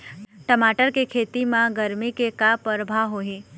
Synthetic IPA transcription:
ʈəmaʈəɾkekʰet̪imãɡəɾmikekapəɾbʱaɦoɦĩ

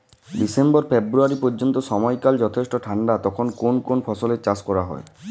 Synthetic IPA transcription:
ɖisembɔɾfebɾuaɾipɔɾd͡ʑont̪oʃɔmɔjkald͡ʑɔt̪ʰesʈoʈʰaɳɖat̪ɔkʰonkonkonpʰɔsolet͡ɕaskɔɾaɦɔ̰e

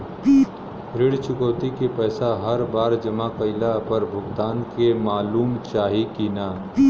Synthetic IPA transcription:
ɾɪɽt͡ʃʊkəːt̪ikepɛːsaɦɐɾbaːɾd͡ʒɐmakəɪlapɐɾbʱʊɡt̪aːnkemaːluːmt͡ʃaːɦikinaː

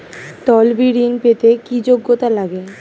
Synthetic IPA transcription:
t̪ɔlbiɽinpet̪ekid͡ʑoɡːot̪alaɡe

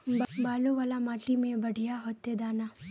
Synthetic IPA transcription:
baːloʋaːlamaːʈimẽbɐɽ̤ʱijaɦoːt̪ːed̪aːnaː

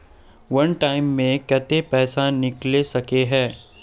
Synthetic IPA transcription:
ʋɐnʈaːɪmːẽkɛt̪epɛːsanɪklesɐkeɦɛː

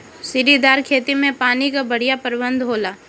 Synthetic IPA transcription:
sɪɾid̪aːɾkʰeːt̪imẽpaːnikabɐɽ̤ijapəɾbə̃nd̪ʱɦoːlaː

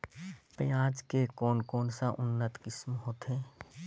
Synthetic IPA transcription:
pə̃ãːd͡ʒkekɔːnkɔːnsaʔʊnːət̪kɪsmɦoːt̪ẽː

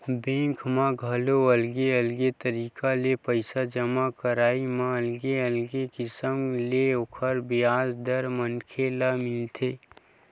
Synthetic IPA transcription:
bẽːkʰmãɡʱɐloəlɡeəlɡet̪əɾiːkalepəɪsad͡ʒəmakəɾaːimãəlɡeəlɡekɪsəmleokʰəɾbɪjaːzd̪əɾmənkʰelamɪlt̪ʰeː

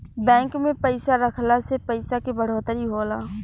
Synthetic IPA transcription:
bɛ̃ːŋkmẽpəɪsaɾəkʰlasepəɪsakebəɽ̤oːt̪əɾiɦoːlaː

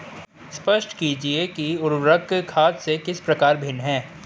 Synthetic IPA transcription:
spəʃʈkiːd͡ʒiekiʊɾwɾəkkʰaːt̪sekɪspɾɐkaːɾbʱɪnɦɛ̃ː

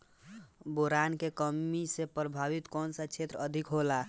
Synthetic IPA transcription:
boɾankekəmisepɾəbʱaʋit̪kɔːnsət͡ʃʰet̪ɾəd̪ʱikɦola

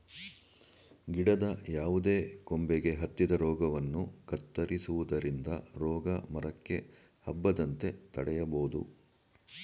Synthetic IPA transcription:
ɡiɽɐd̪ɐjaːʋud̪e̞ːkombeɡe̞ɦɐt̪ːid̪ɐɾɔːɡɐʋɐnːukɐt̪ːɐɾisuʋud̪ɐɾind̪ɐ̰ɾɔːɡɐmɐɾɐkːe̞ | hɐbːɐd̪ɐnt̪e̞t̪ɐɽɛjɐboːud̪ṵ

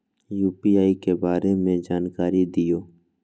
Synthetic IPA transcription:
juːpiːaːikebaːɾemẽd͡ʒaːnkaːɾid̪ɪjoː

